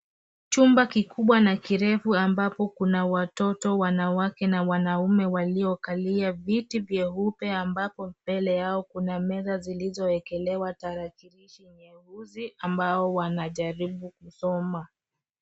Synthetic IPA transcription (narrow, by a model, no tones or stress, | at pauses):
t͡ʃumbakikuɓwanakiɾɛfuambapɔkunawatɔtɔwanawakɛnawanaumɛwaliɔkaliavitivjɛɦupɛambapɔbɛlɛjaɔkunamɛðazilizɔɛkɛlɛwataɾakiɾiʃiɲɛhuziʔambaɔwanaʄaɾiɓukusɔma